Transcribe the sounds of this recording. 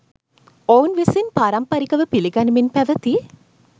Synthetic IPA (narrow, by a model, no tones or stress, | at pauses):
ownʋisinpaɾɐmpɐɾikɐʋəpiliɡɐniminpɛʋɐt̪i